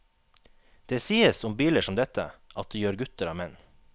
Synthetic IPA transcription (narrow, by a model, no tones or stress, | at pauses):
d̪̥eːsiːəsʊmbiːləʂɔmd̪ɛt̪ə̰ʔɑt̪̚ːjøːɾɡʉt̪əɾɑːmɛn